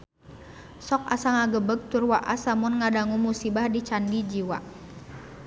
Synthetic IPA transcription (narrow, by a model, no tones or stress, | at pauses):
sɔk̚asaŋaɡəbəɡ̚t̪urwaʔasamʊnŋadaŋumusibahdit͡ʃandid͡ʒiwa